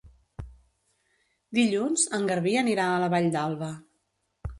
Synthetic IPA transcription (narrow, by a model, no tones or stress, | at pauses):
d̪iʎunzəŋɡəɾβiəniɾaələβaʎd̪alˠβə